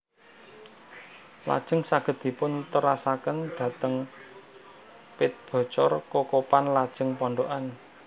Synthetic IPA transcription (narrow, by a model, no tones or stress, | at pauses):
la̰d̥ʒ̥ə̤ŋsaɡ̥ə̤d̪̚d̪̥i̤pʊnt̪əɾasakənd̪̥ä̤t̪əŋ | pɪt̪̚b̥ɔ̤t͡ʃɔrkokopanlad̥ʒ̥ə̤ŋpɔɳɖoʔan